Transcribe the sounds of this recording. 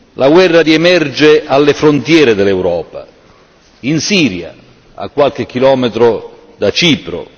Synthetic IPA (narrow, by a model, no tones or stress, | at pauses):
lʔaɡwɛrːaɾiemɛrd͡ʒealːefɾont̪jɛːɾed̪elːɛwɾɔːpa̰ | insiːɾja̰ | a̰kːwalk̟ek̟ːilɔːmet̪ɾo | d̪at͡ʃiːpɾo̰